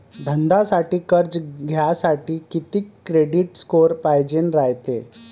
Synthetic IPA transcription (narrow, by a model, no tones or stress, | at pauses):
d̪ʱənd̪asaʈiːkəɾd͡ʑɡʱjasaʈiːkit̪ikːɾeɖiʈskoɾpajd͡ʑenɾajt̪ḛ